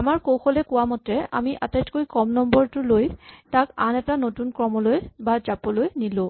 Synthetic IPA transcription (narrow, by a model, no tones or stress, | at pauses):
amaɹkowxɔlɛkʊwamɔtɹɛa̰miʔa̰tajtkojkɔmnɔmbɔɹtʊlojtakanɛtanotunkɹɔmɔlojbazapɔlojnilʊ̃